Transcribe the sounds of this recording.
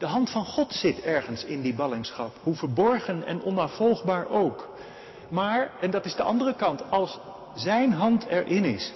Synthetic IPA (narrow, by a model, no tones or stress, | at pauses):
d̥əɦɑntfɑnχɔtsɪtɛɹχənsɪndibɑlɪŋsχɑphuvəɹbɔɹχənɛ̰nɔnafɔlˠχbaːɹʔowk | maːɹɛndɑtɪzdəʔɑndərəkɑntɑlˠs | zɛjnɦɑntʰɛɹʔɪnɪs